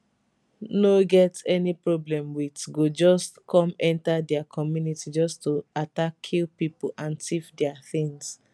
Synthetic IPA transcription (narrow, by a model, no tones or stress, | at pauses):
noɡɛtɛnipɹɔblɛ̃mwitɡod͡ʒɔstkʰɔ̃mɛ̃ntadɛakʰɔmjunitid͡ʒɔstoatakʰːilpipoʔãntifdɛaθĩŋs